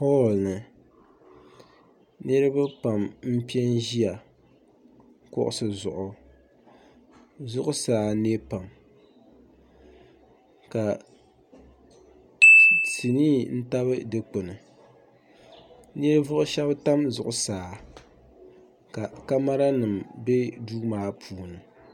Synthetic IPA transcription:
pɔ˦˨lnɨ˨ | nɨ˦ɾɨ˦ba˦pa˨mm̩˦pi˦ɛ˦nʒi˦a˨ | kɔ̰˦ʔʊ̰˨sɨ˨zʊ˨ʔʊ˨ | zʊ˦ʔʊ˦saː˨ne˦pa˨m | ka˨ | ti˨niː˦n̩˦ta˦βɨ˦dɨ˦k͡po˨nɨ˨ | ne˦vʊ˦ʔʊ˦ʃɛ˦bta˦mzʊ̰˨ʔʊ˨saː˨ | ka˨ka˦ma˦ɾa˦nɨ˨mbe˦duː˦maː˦pʰuː˨nɨ˨

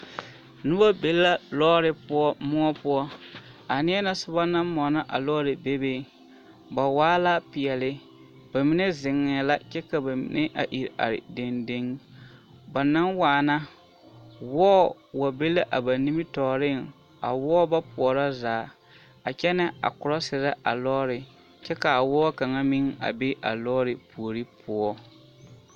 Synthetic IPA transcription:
nʊ˦ba˦be˦lːa˦lɔː˦ɾɪ˦pʊ˦ɔ˦mʊ˦ɔ˦pʊ˦ɔ˦ | a˨nɪ˦ɛ˦na˦sʊ˦ba˦na˦nmɔ˨na˦ʔa̰˨lɔ˦ɾɪ˨be˦be˦˨ | ba˨waː˦la˦pɪ˨ɛ˨lɪ˦ | b̥a˨mi˨ne˦zɪ˨ŋːɛ˨la˦t͡ʃɛ˦ka˨ba˨mḭ˨nɛ˦ʔa̰˨ʔi˨ɾa̰˨ɾɪ̰˨de˨nde˦ŋ | ba˨na˦ŋwaː˨na˦ | wɔː˦ | wa˨be˦la˦ʔa˨ba˨ni˦mɪ˦tɔː˨ɾɪ˦ŋ | a̰˨wɔː˦ba˦pʊ˨ɔ˨ɾa˦zaː˨ | a˨t͡ʃɛ˦nɪ˦a̰˨kʊ˨ɾa˦sɪ˨ɾa˦ʔa˨lɔ˦ɾɪ˨ | t͡ʃɛ˦ka˨a˨wɔː˦ka˨ŋa˦mi˦ŋa̰˨be˦ʔa̰˨lɔː˦ɾɪ˨pu˨o˨ɾi˦pʰʊ˦ɔ˦

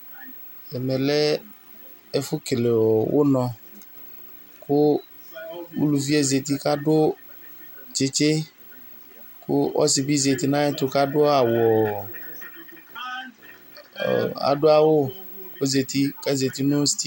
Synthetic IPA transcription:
ɛ˨mɛ̃˨lɛ˦ | e˦fʊ˦ke˨le˨wɔ˨wʔo̰˦nɔ̃˨ | kʊ˦ | wu˦lu˨vi˦e˦ze˨t̪i˦ka˦dʊ˦ | t͡ʃe˨t͡ʃe˦ | kʊ˦ɔ̰˦si˨bi˦ze˨t̪i˦nã˦ɛ˦t̪ʊ˨ka˦dʊ˦a˨wɔ˨ | a̰˨dʊ˦a˨wo˦ko˦ze˨t̪i˦ka˦ze˨t̪i˦nʊ̃˦st̪i˦

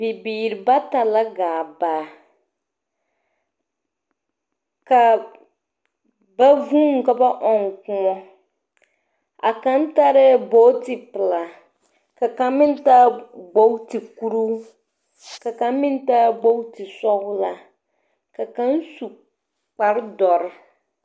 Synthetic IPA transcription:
bɪ˨biː˨ɾɪ˨ba˦ta˨la˦ɡaː˨baː˨ | ka˨ | ba˦vũ˦ŋ˨ka˨ba˦ʔɔ˨ŋ˨kʊ̃˦ɔ˦ | a̰˨ka˦n˦ta˦ɾɛ˦bo˦tɪ˨pɪ˨la˨ | ka˨kã˨˦mɪ̃˦n˦taː˦ɡ͡bo˦wti˨ku˦ɾu˦ | ka˨kã˨˦mɪ̃˦n˦ta˦ɡ͡bo˦wti˨sɔ˦hʊ˦la˨ | ka˨kã˦n˦su˨ | k͡pa˨ɾdɔ˨ɾ

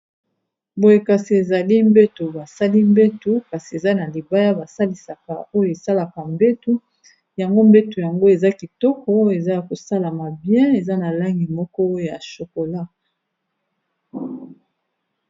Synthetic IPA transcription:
bo˨je˨ka˨si˨e˨za˨li˦mbe˦tu˨ba˨sa˦li˦mbe˦tu˦ka˨si˨e˨za˦na˨li˨ba˦ja˦ba˨sa˦li˨sa˨ka̰˨o˦jo˨e˨sa˦la˨ka˨mbe˦tu˦ | ja˨ŋɡo˦mbe˦tu˨ja˨ŋɡo˦e˨za˦ki˨tɔ˦kɔ˦o˦˨e˨za˦ja˨ko˨sa˦la˨ma˨bjɛ̃˦e˨za˦na˨la˦ŋɡi˨mɔ˦kɔ˦o˦jo˨ja˨ʃo˨ko˨la˦

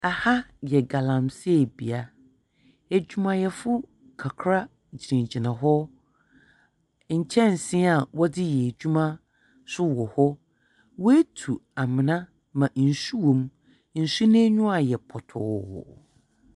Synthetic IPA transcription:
a˨ha˦jɛ˨ɡa˨lã˨msɛ˦˨bi˨a˨ | æ˨d͡ʑᶣu˦mã˨jɛ˨fʊ˦ | kʰa˨kʰɾa˦ | d͡ʑi˨ɾĩ˨ɲd͡ʑi˨nã˨ɦɔ˦ | ɲ̩˨t͡ɕʰɛ̃˦n̩˨sɪ̃˦a˨wɔ˦dɪ˦jɛ˨d͡ʑᶣu˦mã˦ | sʊ˦wɔ˨hɔ˦ | wɔ˦æ˦tʰu˨a˨mɪ̃˨nã˦ | mã˨n̩˨su˦wõ˨m | n̩˨su˦nẽ˦ɲʊ̃˦a˨jɛ˨pʰɔ˨tʰɔ̰ː˨

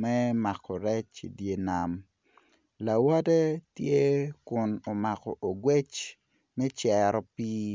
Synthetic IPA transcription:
mɛ˦ma˨kʰɔ˨ɾɛ˦t͡ʃḭ˨dje˦na˨m | la˨wɔ˦de˦tje˦kʊ˨no˨ma˨kɔ˨ʔo˨ɡwɛ˦t͡ʃ | mɛ˦t͡ʃɛɾɔ˨piː˦

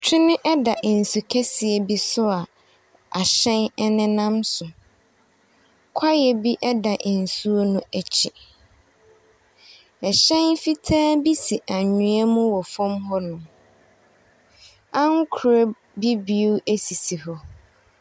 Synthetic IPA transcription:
t͡ɕʰɪ˦nɪ̃˦ʔɛ˦da˨ʔn̩˨su˨kʰɛ˦sɪ˨ɛ˨bi˦sʊ˦a˨ | a˨ɕɛ̃˦nɛ˦nɪ̃˦nã˦msʊ˨ | kʷʰa˦jɛ˨bi˦ʔɛ˦da˨ʔɪ̃˨n̩˨su˦o˦nʊ̃˦æ˨t͡ɕʰi˨ | ɛ˨ɕɛ̃˦nfi˦tʰaː˦bi˦si˨ʔa˨ɲũ˨ɛ˦mũ˦wɔ˨fɔ̃˦mɦɔ˦nʊ̃˨ | ã˦ŋ˦kʰu˨ɾa˦ | bi˦bi˨u˦æ˦si˨si˨hɔ˦

